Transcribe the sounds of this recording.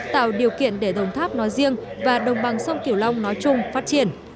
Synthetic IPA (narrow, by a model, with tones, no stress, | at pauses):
t̪a̰ː˧˨wɗi˨˩əwkḭ˧˨ənɗe˧˩ɗə˨˧˩wŋ͡mt̪ʰaː˦˥p̚nɔ˨˦jzi˧əŋvaː˨˩ɗə˨˩wŋ͡mɓa˨˩ŋsa˧wŋ͡mki˧˩əwla˧wŋ͡mnɔ˨˦jt͡ɕʊ˨˧˩ŋ͡mfaː˦˥t̚t͡ɕi˧˩ən